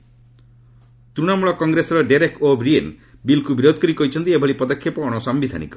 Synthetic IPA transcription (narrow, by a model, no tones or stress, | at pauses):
t̪ɾuɽ̃amuɭɔkɔŋɡɾesɔɾɔɖeɾekobɾienbilkubiɾod̪ʱkɔɾikɔɦit͡ʃʰɔnt̪iebʱɔɭipɔd̪ɔkʰjepɔːɽ̃ɔsɔmbid̪ʱa̰nḭkɔ̥